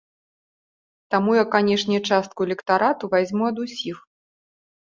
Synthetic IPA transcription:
t̪amujakanʲɛʂnʲɛt͡ʂast̪̚kuɛlʲɛkt̪aɾat̪uvazʲmuɐd̪usʲix

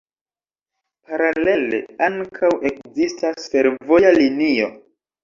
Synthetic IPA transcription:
paɾale̞lḛaŋkʰawe̞kzistasfe̞ɾvo̞jalinio̞

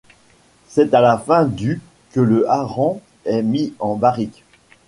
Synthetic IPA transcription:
sɛt̪alafɛ̃d̪y | kələʔaʁɑ̃ | ɛmiɑ̃baʁik

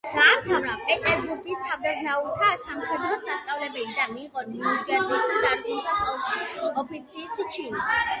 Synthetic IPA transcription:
d̪̥aːmt̪ʰavɾapʼɛt̪ʼɛɾbuɾkʼist̪ʰavd̪aznaulˠt̪ʰasamχɛd̪ɾɔsast̪sʼavlɛbɛlid̪amiːqʼɔniuzɡɛɾb̪ɔsidaɾk̪ʼulˠt̪ʰatʰɔpʰɔpʰit̪sʰiːst͡ʃʰini

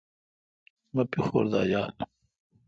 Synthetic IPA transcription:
mɐpixo̰ːɾd̪aːjaːl

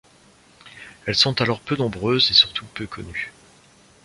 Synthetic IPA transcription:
ɛlsɔ̃t̪alɔʁpønɔ̃bʁøzesyʁt̪upøkʰɔ̰ny

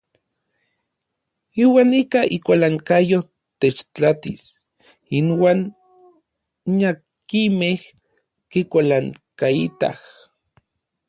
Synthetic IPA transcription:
iwaːnikaikʷalaŋkajo | t̪et͡ʃt͡ɬat̪is | inwaːn | ɲa | kimeh | kikʷalaŋkait̪a̰h

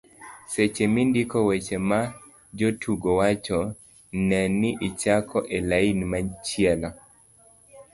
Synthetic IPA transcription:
set͡ʃemindikɔwet͡ʃema | d͡ʒotʰuɡɔwat͡ʃɔ | nɛniʔit͡ʃakʰɔʔelainimat͡ʃiɛlɔ

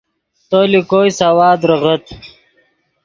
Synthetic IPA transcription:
t̪olikoːjsɐwaːd̪ɾəʁət̪

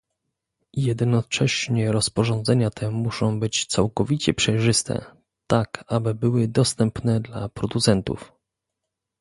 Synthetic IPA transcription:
jɛd̪nɔt͡ʂɛɕɲɛɾɔspɔʐɔnd̪zɛɲat̪ʰɛmuʂɔ̃w̃bɘt͡ɕt̪sawkɔvʲit͡ɕɛpʂɛjʐɘst̪ɛ̰ | t̪akabɘbɘwɘd̪ɔst̪ɛmpnɛd̪lapɾɔd̪ut̪sɛnt̪ṵf

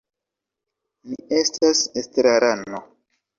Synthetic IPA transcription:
mie̞stasestɾaɾano

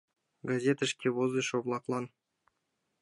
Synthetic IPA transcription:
ɡazʲet̪əɪʃkʲewozd̪əʃoblˠɑklˠɑn

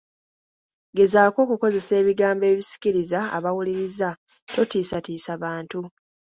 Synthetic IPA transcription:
ɡe̞zaːko̞ːkuko̞ze̞se̞ːβiɡaːmbe̞ːβisi̥ciɾiza̰ːβawuliɾiza | to̞tiːsatiːsaβaːntu

